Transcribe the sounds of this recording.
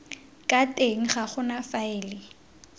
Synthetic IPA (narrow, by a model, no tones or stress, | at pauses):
kʼatʼeŋ̩χaχʊnafaɪːlɪ